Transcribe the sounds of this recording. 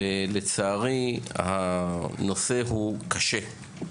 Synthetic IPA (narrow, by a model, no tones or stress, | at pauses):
elet͡saːʁihano̞se̞ɦukaʃe̞